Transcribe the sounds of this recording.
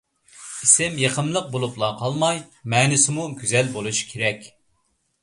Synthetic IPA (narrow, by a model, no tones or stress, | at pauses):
isɪmjeqʰəmlˠəq̚bolˠuplˠɑqʰɑlˠmɑjmɛːnɪsɪmuɡʲyzɛlbolˠuʃkʲʰeɾɛkʲ